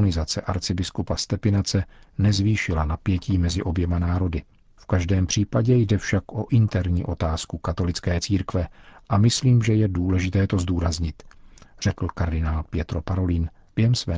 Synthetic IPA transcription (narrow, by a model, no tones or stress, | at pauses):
nɪzat͡sɛʔaɾt͡sɪbɪskupast̪ɛpɪnat͡sɛnɛzviːʃɪlanapjɛciːmɛzɪʔo̞bjɛmanaːɾo̞dɪ | fkaʒdɛːmpr̝̥iːpaɟɛjdɛfʃakʔo̞ʔɪnt̪ɛɾɲḭːʔo̞t̪aːskukat̪o̞lɪt͡skɛːt͡siːɾkvɛʔamɪsliːmʒɛjɛduːlɛʒɪt̪ɛːt̪o̞zduːɾazɲɪt̪r̥ɛkl̩kaɾdɪnaːlpjɛt̪ɾo̞paɾo̞liːn | b̥jɛɦɛmsvɛː